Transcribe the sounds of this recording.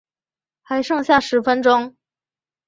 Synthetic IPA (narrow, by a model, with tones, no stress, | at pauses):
xa˧˥ɪʂɤ˥˧ŋɕja˥˩ʂɻ̩˧˥fə˥nʈ͡ʂʊ˥ŋ